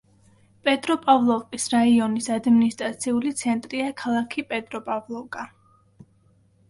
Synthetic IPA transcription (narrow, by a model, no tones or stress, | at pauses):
pʼɛt̪ʼɾɔpʼavlˠɔvkʼisɾaiɔnisad̪minist̪ʼɾat̪sʰiulit̪sʰɛnt̪ʼɾiakʰalˠakʰipʼɛt̪ʼɾɔpʼavlˠɔvkʼa